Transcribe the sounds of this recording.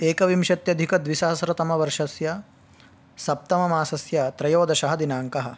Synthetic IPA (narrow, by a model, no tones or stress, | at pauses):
eːkɐʋimʃɐt̪jɐd̪ʱikɐd̪ʋisɐɦɐsɾɐt̪ɐmɐʋɐɾʂɐsjɐ | sɐp̚t̪ɐmɐmaːsɐsjɐt̪ɾɐjoːd̪ɐʃɐɦɐd̪inaːŋkɐɦɐ̆